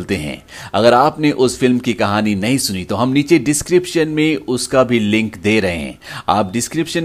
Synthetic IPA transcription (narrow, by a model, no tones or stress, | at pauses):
lt̪eɦɛ̰̃ː | ɐ̰ɡəɾaːpneʔʊsfɪlmkikɐɦaːninɐɦĩsʊnit̪oɦɐmniːt͡ʃeɖɪskɾɪpʃənmẽʊskabʱilɪ̃ŋkd̪eːɾɐɦḛɦɛ̰̃ːa̰ːp̚ɖɪskɾɪpʃən